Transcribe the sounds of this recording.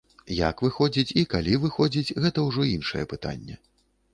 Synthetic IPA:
ja̰kvɨxɔd͡zʲit͡sʲikalʲivɨxɔd͡zʲit͡sʲɣɛt̪ɐwʐɔinʂɐ̰jɛpɨt̪a̰nʲːɛ̰

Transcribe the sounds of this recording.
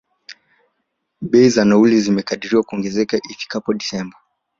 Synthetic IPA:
ɓɛizanaulizimɛkaɗiɾiwakuɔŋɡɛzɛkaʔifi̥kapɔɗisɛmba

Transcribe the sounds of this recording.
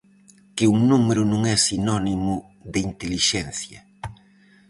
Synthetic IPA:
kɪuŋnumeɾʊnũŋɛsinɔnimʊ | ðɪint̪eliʃɛnθjɐ̰

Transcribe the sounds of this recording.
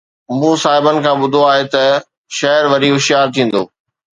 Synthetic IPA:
mũːsaːɦɪbənɪ̆kʰãːɓʊd̪ʱoaːɦet̪ɐ | ʃɐɦəɾʋɐɾiɦʊʃjaːɾt̪ʰĩːn̆d̪o̰ː

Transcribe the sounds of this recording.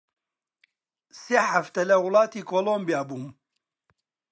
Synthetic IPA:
seħaft̪ɐlɐwʊlˠɑːt̪iːkoːlombijaːbuːm

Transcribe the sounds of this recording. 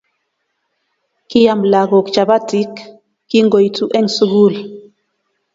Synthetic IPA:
kijamlaɡɔkt͡ʃabatikː | iŋɡojtuʔɛnsuɡul

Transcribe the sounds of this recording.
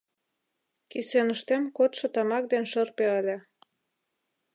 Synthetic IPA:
kisenəʃt̪emkot̪ʃɤ̆t̪ɑmɑk̚d̪enʃərpeəlʲĕ

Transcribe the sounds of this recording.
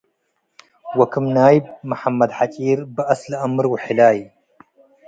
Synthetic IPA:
wɐkʰɨmnaːjb̚mɨħamːɐd̪ħat͡ʃʼiːɾbɨʔɐslʔɐmɨɾwħɪlaːj

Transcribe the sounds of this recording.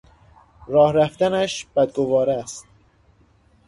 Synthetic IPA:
rɒːhɾæft̪ænæʃb̥æd̪̚ɡovɒːɾæst̪

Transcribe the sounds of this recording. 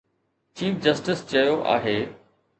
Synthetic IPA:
t͡ɕiːfd͡ʑɐsʈɪst͡ɕɐjoʔa̰ːɦeː

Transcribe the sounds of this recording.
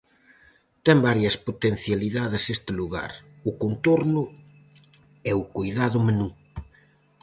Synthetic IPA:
t̪ɛmbaɾjɐspot̪en̟θjaliðaðɪsest̪ɪluɣa̰ɾ | ʊkont̪oɾnʊ | ɛʊkojðaðʊmenu

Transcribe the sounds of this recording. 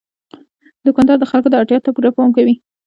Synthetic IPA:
d̪əkɑnd̪ɑɾd̪əxalkod̪əɑʈjɑt̪apuɾapɑmkawi

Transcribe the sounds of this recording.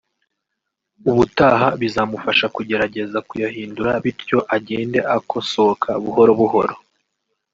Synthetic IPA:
uβutaːɦaβizamufaʃakuɟe̞ɾaɟe̞zakujahiːnduɾaβiɾjo̞ʔaɟe̞ːnde̞ʔakʰo̞sokʰaβuho̞ɾoβuɦo̞ɾo̞

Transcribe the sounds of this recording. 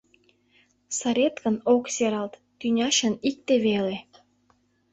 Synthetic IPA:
sɑɾʲet̪kə̆nokseɾɑlt̪ːynʲɑʃə̆nik̚t̪eβele

